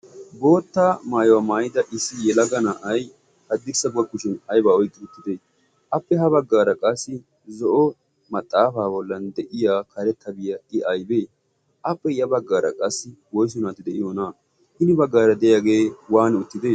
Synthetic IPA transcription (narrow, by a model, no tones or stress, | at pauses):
bo̞ːt̪ːamaːjwamaːjɪd̪ɐʔɪsːɪjɛlɐɡɐnaʔɐj | hɐd̪ːɪsɐbʊɐkʊʃɪnɐjbaːɔjkʼːɪʊt̪ːɪd̪eː | ʔɐpːɛɦɐbɐɡːaːɾɐkʼɐsːɪ | zɔʔɔ | mɐt̪ʼːaːfaːbɔlːɐnd̪ɛʔɪjaːkɐɾɛt̪ːɐbɪjɐɪʔɐjbeː | ʔɐpːɛɪjɐbɐɡːaːɾɐ̰kʼɐsːɪwɔjs̬ʊnat̪ɪd̪ɛʔɪjonaː | hɪnɪbɐɡːaːɾɐd̪ɛjaɡe̞ːwaːnʊt̪ːɪd̪eː